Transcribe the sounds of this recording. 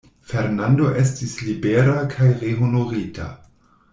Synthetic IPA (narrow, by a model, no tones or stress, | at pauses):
feɾnando̞ʔe̞stislibeɾakʰajʁeɦonoʁita̰